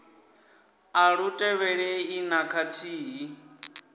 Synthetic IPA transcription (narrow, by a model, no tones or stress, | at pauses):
aɺutʼɛβɛɺɛinakʰatʰiːɦi